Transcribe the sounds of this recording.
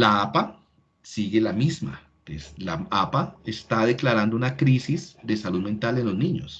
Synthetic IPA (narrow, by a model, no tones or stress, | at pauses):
laapa | siɣe̞lamizma̰ | eslaapaest̪aðe̞klaɾand̪ounakɾisizd̪e̞saluðme̞nt̪ale̞nlo̞znĩɲo̞s